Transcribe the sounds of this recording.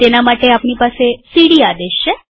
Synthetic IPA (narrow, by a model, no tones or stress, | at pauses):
t̪enamaʈeapɳ̃ipasesiɽiːad̪eɕə